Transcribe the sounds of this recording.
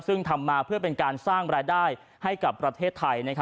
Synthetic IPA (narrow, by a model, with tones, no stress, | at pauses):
sɯ˥˩ŋt̪ʰa˧mːaː˧pʰɯ˥˩ɐpe˧nkaː˧nsaː˥˩ŋɾaː˧jdaː˥˩j | ha˥˩jka˨˩pːɾa˧t̪ʰeː˥˩t̪ʰːa˧jna˦˥kʰ